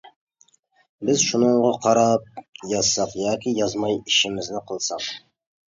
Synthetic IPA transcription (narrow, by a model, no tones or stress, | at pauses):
bɪzʃunɨɴʁɑqʰɑɾɑp̚jɑz̥sɑqjɑːkʲijɑzmɑjiʃɪmɪznɪqʰəlˠsɑq